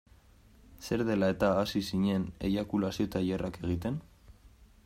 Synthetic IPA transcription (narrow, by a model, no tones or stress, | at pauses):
se̞ɾðe̞lae̞t̪aːsisiɲe̞nḛjakulasio̞t̪aʎerake̞ɣ̞it̪e̞n